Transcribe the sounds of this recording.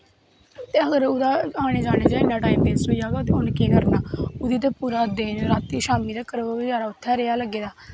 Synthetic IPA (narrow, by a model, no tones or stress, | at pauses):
t̪eːəɡəɾʊd̪aːaːɽ̃eːd͡ʒaːɽ̃eːd͡ʒaːɪnːãːʈaːiːmbeːsɦoːijaːɡaːt̪eʊnkiːnəɾnaːʊd̪iːt̪eːpuːɾaːd̪eːnɾaːt̪ːiːʃaːmiːd̪aːkəɾʋəbəd͡ʒaːɾaːʊt̪ʰːaːɾeːjaːləɡːeːd̪aː